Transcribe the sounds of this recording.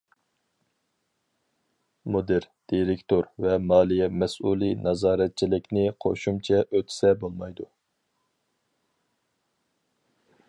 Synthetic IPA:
mod̪ɪɾd̪̥iɾɪkʲt̪oɾvɛmɑːlˠijɛmɛsʔulˠinɑzɑːɾɛt̪̚t͡ʃʰilɪkʲnɪqʰo̰ʃumt͡ʃʰɛʔøt̪ʰsɛbolˠmɑjd̪u

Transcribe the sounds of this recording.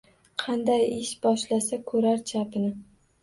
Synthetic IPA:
qʰɑnd̪ajɪʃbɒʃlasakʰɵɾaɾt͡ʃʰapɪnɪ

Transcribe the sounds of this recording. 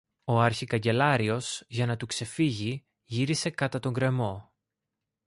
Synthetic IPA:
o̞ɐɾçikɐɲɟe̞lɐɾio̞z̥ʝɐnɐt̪ukse̞fiʝi | ʝiɾise̞kɐt̪ɐt̪o̞ŋɡɾe̞mo̞

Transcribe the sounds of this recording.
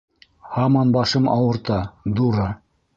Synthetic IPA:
hɑmɑnbɑʃɤmɑwɤ̆ɾt̪ɑd̪uɾɤ

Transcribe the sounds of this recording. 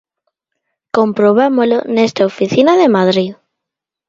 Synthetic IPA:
kompɾoβ̞amolonest̪aofiθinaðemaðɾið

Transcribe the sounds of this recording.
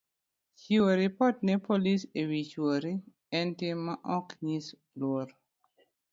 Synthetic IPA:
t͡ʃioɾipɔtnɛpolisewit͡ʃoɾi | ɛntɪmːaʔɔkɲis | lwoɾ

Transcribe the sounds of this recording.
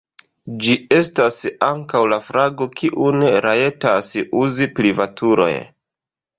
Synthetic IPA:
d͡ʒie̞stasaŋkawlafɾaɡo̞kʰiʔune̞ɾʔae̞tasuzipɾivatʰuɾo̞̰j

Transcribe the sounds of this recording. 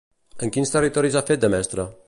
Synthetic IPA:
əŋkinst̪ərit̪ɔɾizafet̪̚d̪əmɛst̪ɾə

